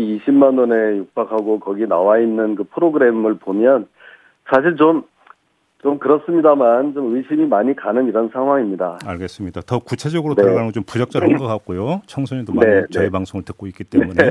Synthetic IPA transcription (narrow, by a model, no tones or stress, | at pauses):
iɕʰimːanʌne̞jok̚p͈akʰaɡokʌɡina̰wainːɯnkɯpʰɯɾoɡɯɾe̞mɯɭpomjʌn | sʰaɕ̬ʰiɭt͡ɕom | t͡ɕomkɯɾʌs͈ɯmɲidamant͡ɕomɯiɕʰimimaɲikanɯniɾʌnsʰaŋɦwaŋimɲidaaɭɡe̞s͈ɯmɲidatʌkut͡ɕʰe̞d͡ʑʌɡɯɾotaɾaɡanɡʌt͡ɕompud͡ʑʌk̚t͡ɕ͈ʌɾɡak͈ak̚k͈ojot͡ɕʰʌŋsʰoɲidoe̞nt͡ɕʌipaŋsʰoŋɯɭtɯ̥k̚k͈oik͈it͈e̞mune